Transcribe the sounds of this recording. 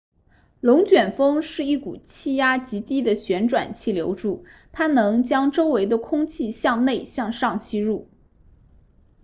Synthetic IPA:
lʊ˧˥ŋt͡ɕɥɛ˨˩nfɤ˥ŋʂɻ̩˥˧i˥˩ku˨˩t͡ɕʰi˥˩ja˥t͡ɕi˧˥t̪i˥d̪ə˨ɕɥɛ˧˥nʈ͡ʂwa̰˨˩nt͡ɕʰi˥˩ljo˧˥ʊʈ͡ʂu˥˩t̪ʰa˥nɤ˧˥ŋt͡ɕjɑ˥ŋʈ͡ʂo˥ʊwe˧˥ɪd̪ə˧kʰʊ˥ŋt͡ɕʰi˥˧ɕjɑ˥˧ŋne˥˧ɪɕjɑ˥˧ŋʂɑ˥˧ŋt͡ɕʰi˥ɻu˥˩

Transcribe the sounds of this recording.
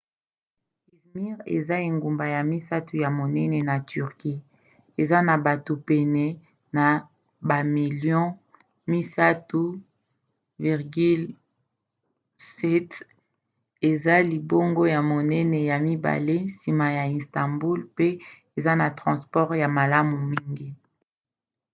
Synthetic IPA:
i˨smi˦ʁḛ˨za˦e˨ŋɡu˨mba˨ja˨mi˦sa˦tu˨ja˨mo˨nɛ˦nɛ˨na˨ty˨ʁki˦ | e˨za˦na˨ba˨to˨pɛ˨nɛ˨ | na˨ | ba˨mi˨ljɔ̃˦ | mi˦sa˦tu˦ | vi˨ʁɡy˦l | sɛ˦t | e˨za˦li˨bo˦ŋɡo˦ja˨mo˨nɛ˦nɛ˨ja˨mi˦ba̰˨le˦si˨ma˨ja˨ĩ˨stã˨mbu˦lpe˦ | e˨za˦na˨tʁɑ̃˨spɔ˦ʁja˨ma˨la˦mu˨mi˦ŋɡi˦

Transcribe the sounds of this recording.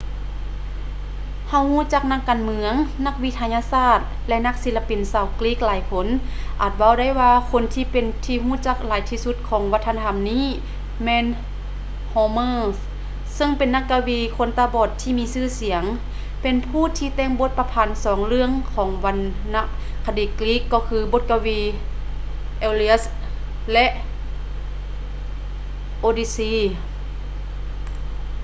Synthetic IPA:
ha˧˩whuː˧˥˨t͡ɕa˧˥k̚na˧˥kːaː˨nmɯ˧˦əŋna˧k̚wi˧˥t̪ʰaː˧ɲaː˧saː˧˩t̪̚ | lɛ˧na˧˥k̚si˧˥la˧pi˨nsaː˧˩wkliː˦˥k̚laː˨˦jkʰo˧˥nʔaː˨˩t̪̚wa˧˨wda˧˥˩jwaː˧kʰo˧˥nt̪ʰiː˧pe˨˩nt̪ʰiː˧ɦuː˧˥˨t͡ɕa˧˥k̚laː˨˦jt̪ʰiː˧su˧˥t̪̚kʰɔː˨˦ŋwa˧˥t̪ʰːa˧na˧a˧˨mniː˧˥˨ | mɛː˧˥n | hɔː˧mɤː˧˥s | sɤ˧˨ŋpe˨nːa˧˥kːa˧wiː˧˩kʰo˧˥˨nt̪aː˧bɔː˧˩t̪ʰːiː˧miː˧sɯː˧˨si˨˩˦əŋ | pe˨npʰuː˧˨t̪ʰiː˧t̪ɛː˧˨ŋbo˧˥t̪̚pa˧pʰaː˨˩˦nsɔː˩˦ŋlɯ˧əŋkʰɔː˩˦ŋʋa˧nː | a˧ʔkʰa˧diː˨˩kliː˦˥kːɔː˧kʰɯː˧bo˧˦t̪̚ka˧wiː˧ | ʔeː˧li˧s | lɛ˧˥ʔ | ʔoː˧diː˧siː˧˥

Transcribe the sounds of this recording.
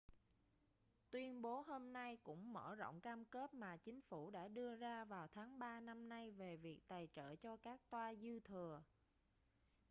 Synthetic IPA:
t̪wi˧ənɓo˨˦ɦo˧mna˧jkʊ̰˧˥ŋ͡mməː˧˩zo̰˧˨wŋ͡mkaː˧mke˦˥p̚maː˨˩t͡ɕï˨˦ŋ̟fu˧˩ɗa̰ː˧˥ɗɨ˧əzaː˧vaː˨˩wt̪ʰaː˨˦ŋɓaː˧na˧mna˧jve˨˩vi˨˩ək̚t̪aː˨˩jt͡ɕə̰ː˧˨t͡ɕɔ˧kaː˦˥k̚t̪waː˧zɨ˧t̪ʰɨ˨˩ə

